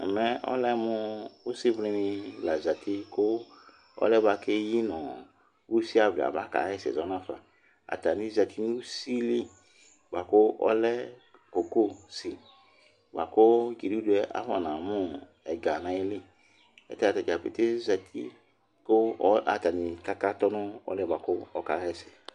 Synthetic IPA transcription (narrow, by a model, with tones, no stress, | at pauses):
ɛ˨mɛ˦ɔ̰˦lɛ˦mʊ˦u˦si˦vli˦nɪ̃˧la˨za˨tʰi˦ko˦ | ɔ̰˦lɛ˦ba˧ke˦ji˦nɔ̃˨ | u˦si˦a˨vlḭ˨a̰˨ba˦ka̰˨˦ɛ˦˨sɛ̰˨zɔ˨˦n˦ã˦fa̰˨ | a̰˨ta˨nĩ˦za˨tʰi˦nu˦si˦li˦ | ba˨kʊ˦ɔ̰˦lɛ˦ | ko˨ko˦si˨ | ba̰˨ko˦d͡ʒi˨di˦du˦ɛ˦ʔa̰˦fɔ˨nã˨mʊ̃˦ | ɛ˨ɡa˨nã˨˦e˦lɪ˦ | ɛ̰˨ta˦a˨ta˨ta˨pe˨te˦za˨t̪ʰḭ˦ | ko˦ɔ˦a̰˨t̪a˨ni˨ka˦ka˦t̪ɔ˦nʊ̃˦ɔ̰˦lɛ˦ba˨kʊ˦ɔ˦ka˨˦ɛ˦sɛ̥˨